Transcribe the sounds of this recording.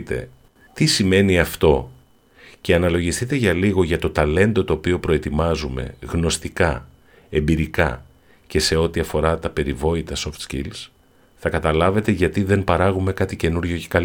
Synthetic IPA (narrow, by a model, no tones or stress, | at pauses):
t̪e̞̰ | t̪isime̞niɐft̪o̞ | ce̞ɐnɐlo̞ʝist̪it̪e̞ʝɐliɣo̞ʝɐt̪o̞t̪ɐle̞nd̪o̞t̪o̞ːpio̞pɾo̞e̞t̪imɐzume̞̰ɣno̞st̪ikɐ | e̞mbiɾikɐ̰ | ce̞se̞o̞t̪iɐfo̞ɾɐt̪ɐpe̞ɾivo̞it̪ɐso̞ft̪scḭls | θɐkɐt̪ɐlɐve̞t̪e̞ʝɐt̪iðe̞mpɐɾɐɣume̞kɐt̪ice̞nuɾʝo̞cekɐl